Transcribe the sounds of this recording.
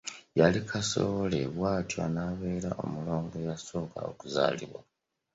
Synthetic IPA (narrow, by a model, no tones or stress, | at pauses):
jalikʰasoβoleβwaːtiwa̰naβeːɾaʔo̞̰mulo̞ːŋɡo̞jaso̞ːka̰o̰kuza̰ːlḭβwa̰